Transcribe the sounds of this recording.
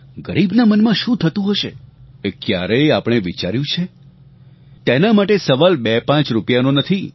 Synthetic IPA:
ɡəɾibnamənmãʃũt̪ʰət̪ũɦəʃḛekja̰ɾəapɳ̃eʋit͡ʃaɾjũt͡ʃʰe | t̪enamaʈesəʋalbepãt͡ʃɾupjanonət̪ʰi

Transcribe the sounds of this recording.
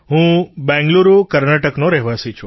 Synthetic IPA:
ɦũbɛ̃ŋɡloɾokəɾnaʈəknoɾɛɦʋasit͡ʃʰu

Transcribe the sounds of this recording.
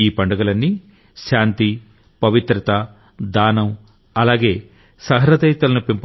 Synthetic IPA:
iːpɐɳɖɐɡɐlɐnːi | ʃaːnt̪i | pɐʋit̪ɾɐt̪ɐ | d̪aːnɐm | ɐlaːɡe̞ː | sɐɦɐɾɐd̪ɐjt̪ɐlɐnupemp

